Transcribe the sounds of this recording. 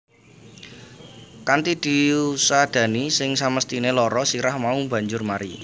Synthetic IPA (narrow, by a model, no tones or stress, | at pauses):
kant̪id̪̥i̤usad̪̥ä̤nisɪŋsaməst̪inelɔɾɔsiɾahmauba̤ɲd͡ʒʊrmaɾi